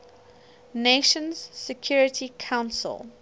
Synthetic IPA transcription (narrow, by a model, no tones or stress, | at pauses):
neʃə̃nz̥sɛkʰj̥ɔːɹɪtʰikʰãʊ̃nsə̰lˠ